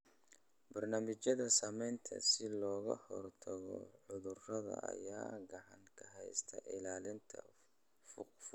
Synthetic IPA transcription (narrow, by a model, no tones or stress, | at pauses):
bɐrnaːmɪt͡ʃɐðɐsɐmɛjnt̪ʰɐ̰sɪlɔːɣɐ̰hɔrt̪ʰɐɣɔ̰ʕʊðʊrrɐðɐ̰ʔɐjaːɡɐʕɑŋkʰɐɦɛjst̪ʰɐʔɪlaːlɪnt̪ʰɐ | ff